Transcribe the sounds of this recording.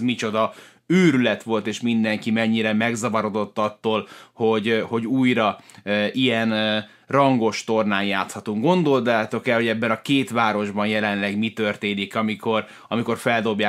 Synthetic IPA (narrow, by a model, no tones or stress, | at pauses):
mit͡ʃo̞d̪ɒ | øːɾylɛt̪ʋo̞lt̪eːʃmind̪ɛŋkimɛɲːiɾɛmɛɡzɒvɒɾo̞d̪o̞t̪ːɒt̪ːoːlho̞ɟho̞ɟuːjɾɒʔijɛn | rɒŋɡo̞ʃt̪o̞rnaːnjaːt̪shɒt̪uŋɡɡo̞nd̪o̞ld̪aaːt̪o̞kɛlho̞ɟɛbːɛnɒkeːt̪ʋaːɾo̞ʒbɒnjɛlɛnlɛɡmit̪ø̞rt̪eːnikɒmiko̞r | ɒmiko̞rfɛld̪o̞bjaː